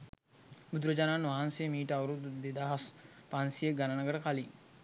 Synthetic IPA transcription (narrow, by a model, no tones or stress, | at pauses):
bud̪uɾəd͡ʒaːnanʋaɦansejmiːʈəaʋəɾud̪d̪ed̪aːɦas | paansijeɡanənəɡəʈəkaliŋ